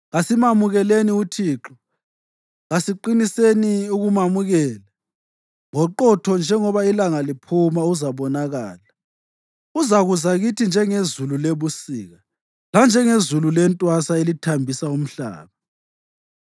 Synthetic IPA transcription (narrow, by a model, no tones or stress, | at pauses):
ɣasimamuɣɛleniutʰiːǁɔ | ɣasiǃiniseniuɣumamuɣɛːla | ŋɔǃɔtʰɔnd͡ʒʱɛŋɔβailaŋalipʰumauzaβɔnaɣa̰ːla | uzaɣuzaɣitʰind͡ʒʱɛŋezululeβusiːɣa | land͡ʒʱɛŋezululɛntʼwasaelitʰambʱisaum̩ɬa̰ːβa